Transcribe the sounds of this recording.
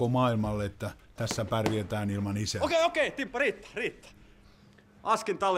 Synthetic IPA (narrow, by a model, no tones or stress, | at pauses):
omɑːilmɑlːeet̪ːæt̪æsːæpærʋiet̪æːnilmɑnisæokeiokeit̪impːɑriːt̪ːæ̥riːt̪ːæ̥ | ʔɑskint̪ɑl